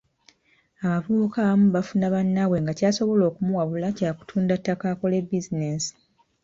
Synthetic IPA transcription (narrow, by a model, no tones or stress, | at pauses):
aβavuukamuβafunaβanːaβwe̞ŋɡacaːso̞βo̞lo̞ːkumuwaβulacaːku̥tʰuːndatːakaːko̞le̞bizinesi̥